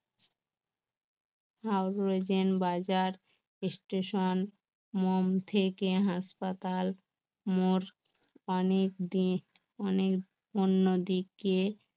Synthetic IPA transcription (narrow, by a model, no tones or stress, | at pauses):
hawɾɾed͡ʑenbad͡ʑaɾ | sʈeʃon | momt̪ʰekeɦaʃpat̪al | moɾ | ɔnekd̪i | ɔnek | onːod̪ikːe